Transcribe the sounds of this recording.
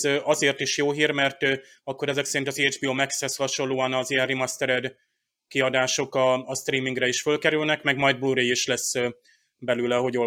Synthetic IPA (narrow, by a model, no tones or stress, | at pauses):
ʔɒzeːrt̪iʃjoːɦiːrmɛrt̪ː | ɒkːo̞ɾɛzɛksɛɾint̪ɒziɛd͡ʒbiomɛkshɛshɒʃo̞lːoːɒnɒzijɛnrimɒst̪ɛɾɛd̪ | kiɒd̪aːʃo̞kɒːst̪riːmiŋɡrɛiʃfølkɛɾylnɛkmɛɡmɒjd̪̚bluɾeiʃlɛs | bɛlylɛɦo̞ɟo